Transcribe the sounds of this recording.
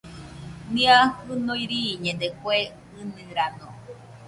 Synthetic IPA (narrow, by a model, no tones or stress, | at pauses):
nĩahɨnõiɾiɲẽnd̪ekwe | ɨnɨ̃ɾanõ